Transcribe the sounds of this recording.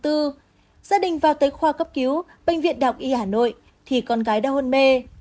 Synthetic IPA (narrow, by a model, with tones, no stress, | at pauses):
t̪ɨ˧ | zaː˧ɗï˨˩ŋ̟vaː˨˩wt̪əː˨˦jxwaː˧˩kə˦˥p̚ki˨˦w | ɓä˧jŋ̟vḭ˧˨ənɗaː˨˩wk͡p̚ʔi˧haː˧˩no̰˧˨j | t̪ʰi˨˩kɔ˧˩nɣaː˨˦jɗaː˧hə˧nme˧